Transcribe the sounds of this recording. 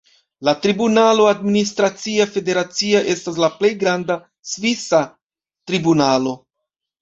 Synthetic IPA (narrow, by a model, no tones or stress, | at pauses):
latɾibunalo̞administɾat͡siafe̞de̞ɾat͡siaʔe̞stas̬laple̞jɡɾanda | svisa | tɾibunalo̞